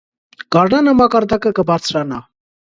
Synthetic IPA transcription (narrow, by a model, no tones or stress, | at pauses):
ɡ̥ɑɾnɑnəmɑkɑɾd̪ɑkəkəbɑɾt͡sʰɾɑnɑ